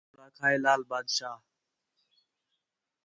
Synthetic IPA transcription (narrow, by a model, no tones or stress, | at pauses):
ɽaːkʰaːeːlaːlbaːd̪ʃaː